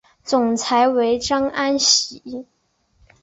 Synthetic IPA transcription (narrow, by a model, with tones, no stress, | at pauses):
t͡sʊ˨˩ŋt͡sʰa˧˥ɪwe˧˥ɪʈ͡ʂɑ˥ŋʔa˥nɕi˧˩˦